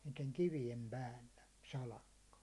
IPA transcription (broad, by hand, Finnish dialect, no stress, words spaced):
niːteŋ kiʋijem pæːlːæ sɑlɑkːɑ